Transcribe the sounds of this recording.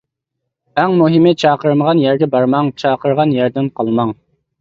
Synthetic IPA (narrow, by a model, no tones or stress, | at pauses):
æŋmuɦɪmɪt͡ʃʰɑːqəɾməʁɑnjæɾɡʲɛbɑɾmɑŋt͡ʃʰɑːqəɾʁɑnjæɾd̪ɪmqʰɑlˠmɑŋ